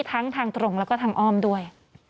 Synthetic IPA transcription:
t̪ʰa˦˥ŋt̪ʰaː˧ŋt̪ɾo˨˩ŋlɛː˦˥wkɔː˥˩t̪ʰaː˧ŋʔɔː˥˩mdu˥˩əj

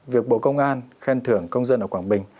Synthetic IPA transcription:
vi˨˩ək̚ɓo̰˧˨kə˧wŋ͡mʔaː˧nxɛ˧nt̪ʰɨ˧˩əŋkə˧wŋ͡mzə˧nʔəː˧˩kwaː˧˩ŋɓï˨˩ŋ̟

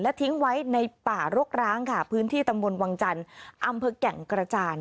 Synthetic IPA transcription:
lɛ˦˥t̪ʰi˦˥ŋwa˦˥jna˧jpaː˨˩ɾo˦˥k̚ɾaː˦˥ŋkʰa˦˥˩pʰɯː˦˥nt̪ʰiː˥˩t̪a˧mbo˧nwaː˧ŋt͡ɕa˧nʔa˧mpʰɤː˧kɛ˩˦ŋkɾa˧t͡ɕaː˧n

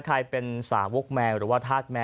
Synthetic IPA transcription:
kʰa˧jpe˧nsa̰ː˩˦wo˦˥k̚mɛː˧ŋɾɯː˩˦waː˥˩t̪ʰaː˥˩t̪̚mɛː˧

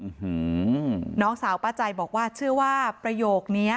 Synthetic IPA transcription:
ʔɯ˨˩hɯ˦nɔː˦˥ŋsaː˩˦wpa˧t͡ɕa˧jbɔː˨˩k̚waː˥˩t͡ɕʰɯ˥˩ɐwaː˥pɾa˧joː˨˩k̚ni˦˥ɐ

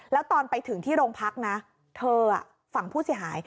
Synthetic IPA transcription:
lɛː˦˥wt̪ɔː˧npa˧jt̪ʰɯ˩˦ŋt̪ʰiː˥˩ɾoː˧ŋpʰa˦˥k̚na˦˥ | t̪ʰɤː˧a̰˨˩ | fa˨˩˦ŋpʰuː˥˩si˩˦ɦaː˩˦j

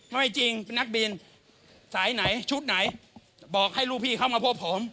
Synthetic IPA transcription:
ŋɔ˥˩jt͡ɕi˧ŋpe˧na˦˥k̚biː˧n | saː˨˩˦jna˩˦jt͡ɕʰu˦˥t̪̚na˨˩˦j | bɔː˨˩k̚ha˥˩jɾuː˥˩pʰiː˥˩kʰa˧˥˩wmaː˧pʰo˦˥p̚ʰːo˨˩˦m

